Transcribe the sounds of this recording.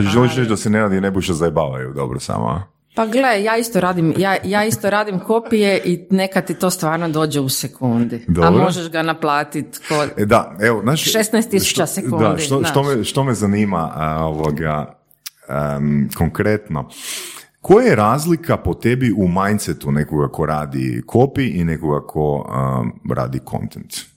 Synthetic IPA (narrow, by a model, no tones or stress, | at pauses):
at͡ʃeʒelˠiʃɾet͡ʃd̪aseneɾaːd̪inebueʃt̪ozaebaːʋa̰jṵd̪o̞̰bɾosa̰mo̰a | paɡlejaːist̪oɾaːd̪imjaːjaːist̪oɾaːd̪imko̞pijeʔinekat̪it̪o̞st̪ʋaːɾnod̪o̞ːd͡ʒeusekund̪id̪oabmɾmo̞ʒeʃɡanaplˠaːt̪it̪kod̪aeʋoznaːʃʃest̪najst̪ːisu̥t͡ʃaseud̪ad̪ʃt̪ot̪omeʃt̪o̞mezaniːma̰oʋoɡa̰ | əkʰoŋkɾet̪no̰ | kʰojajeɾaːzlikʰapot̪ebiumajnt̪set̪unekoɡako̞ɾaːd̪ḭkʰopiʔinekoɡakʰoə̰ɾa̰ːd̪ikʰo̰nt̪ent̪